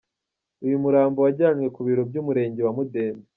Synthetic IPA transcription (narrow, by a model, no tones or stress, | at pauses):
ujumuɾaːmbowaɟaːɲwe̞kuβiːɾobjuːmuɾe̞ːɲɟewamude̞ːne